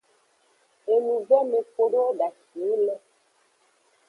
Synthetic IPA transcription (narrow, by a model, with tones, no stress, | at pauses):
e˨nũ˨vɛ˦me˨ko˨ɖo˦ɖa˨ʃi˨e˦lɛ˦